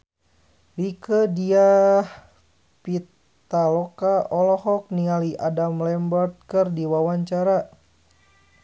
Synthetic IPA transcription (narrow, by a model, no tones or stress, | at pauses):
ɾikədiah | pit̪ | alɔkaɔlɔhɔk̚niŋaliʔadamlɛmbərt̪̚kɨrdiwawaɲt͡ʃaɾa